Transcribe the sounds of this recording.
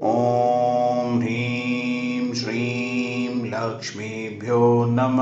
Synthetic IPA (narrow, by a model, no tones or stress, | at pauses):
o | mɾi | mʃɾimlɐkʂmi | bʱjoːnɐm